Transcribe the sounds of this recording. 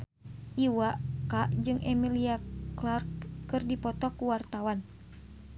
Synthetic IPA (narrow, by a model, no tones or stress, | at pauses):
ʔiwakaʔd͡ʒɨŋʔɛmiliaklarkːɨrdipɔt̪ɔkuwart̪awan